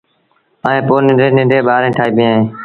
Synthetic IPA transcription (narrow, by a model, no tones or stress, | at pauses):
aːẽːpoːnɪɖeːnɪ̃ːɖeːɓaːɾẽːʈʰaːiːbɪjãːɦẽː